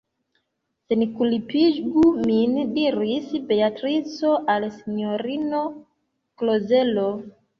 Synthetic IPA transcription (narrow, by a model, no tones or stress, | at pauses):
senikulipiɡumindiɾisbe̞atɾit͡so̞ʔalsinoɾino̞ | kloze̞lo